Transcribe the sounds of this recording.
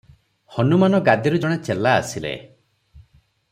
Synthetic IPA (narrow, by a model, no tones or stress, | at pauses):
hɔnumanɔɡad̪iɾud͡ʒɔɽ̃et͡ʃelaːsilḛ